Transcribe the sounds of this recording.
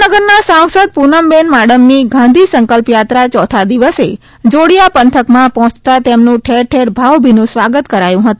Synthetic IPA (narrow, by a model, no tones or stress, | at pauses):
nəɡəɾnasãw̃səd̪̚punəmbenmaɽəmniɡʱãnd̪ʱisəŋkəlpjat̪ɾat͡ʃɔt̪ʰad̪iʋəse | d͡ʒoɽijapənt̪ʰəkmãpɔɦɔ̃t͡ʃt̪at̪emnũʈʰeɾʈʰeɾbʱaʋbʱinũsʋaɡət̪kəɾajũɦət̪ũ